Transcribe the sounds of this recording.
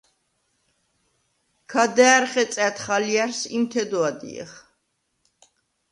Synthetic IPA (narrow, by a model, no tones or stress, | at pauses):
kʰad̪ɛːɾχɛt̪sʼɛt̪ʰχaliaɾsimt̪ʰɛd̪ɔad̪ḭɛ̰χ